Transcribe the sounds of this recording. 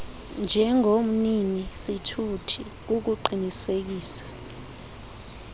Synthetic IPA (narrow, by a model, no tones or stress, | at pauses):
nd͡ʒʱɛŋom̩ninisitʰutʰi | k̬uk̬uǃinisek̬iːsḁ